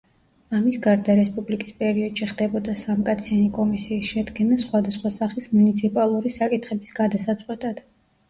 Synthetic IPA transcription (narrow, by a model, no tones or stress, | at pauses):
amisɡaɾd̪aɾɛspʼublikʼispʼɛɾiɔd̪̥ʃiχd̪ɛbɔd̪asamkʼat̪sʰianikʼɔmisiːsʃɛd̪ɡɛnasχwad̪asχwasaχismunit̪sʰipʼalˠuɾisakʼit̪ʰχɛbisɡ̥ad̪asat̪sʼqʼwɛt̪ʼad̪̥